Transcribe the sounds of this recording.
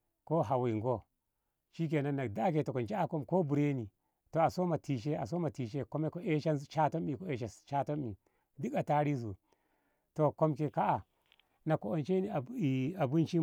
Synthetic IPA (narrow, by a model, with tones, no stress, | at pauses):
ko˦ɦa˨wi˨ŋɡo˦ | t͡ʃi˦k̬e˨na˦na˨da˦k̬e˨to˨ko˨nd͡ʒa˦a˨ko˦mko˦bu˨ɾe˦ni˨ | to˨a˨so˦ma˨ti˨ʃe˦a˨s̬o˦ma˨ti˨ʃe˦ko˦me˦ko˦ʔe˦ʃa˦n˦t͡ʃa˦to˦mi˨ko˦e˨˦ʃa˨t͡ʃa˦to˦mi˨ | di˦ka˨ta˦ɾi˦s̬u˨ | to˨ko˦mke˨ka˦ʔa˨ | na˨ko˨o˨nt͡ʃe˦ni˨a˨bu˦nt͡ʃi˦